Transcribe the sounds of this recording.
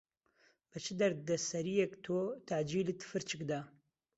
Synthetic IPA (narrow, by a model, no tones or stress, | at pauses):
b̥ɨt͡ʃʰɨd̪ɐɾd̪ɛsɐɾijɛkt̪ʰot̪ʰaʕd͡ʒiːlɨt̪ʰɨ̥fɨɾt͡ʃʰɨkd̪aː